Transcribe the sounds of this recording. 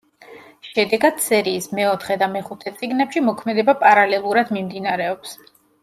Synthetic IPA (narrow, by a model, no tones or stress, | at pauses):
ʃɛd̪ɛɡad̪̥sɛɾiːsmɛɔt̪ʰχɛd̪amɛχut̪ʰɛt̪sʼiɡnɛpʃimɔkʰmɛd̪ɛbapʼaɾalɛlˠuɾad̪mimd̪inaɾɛɔps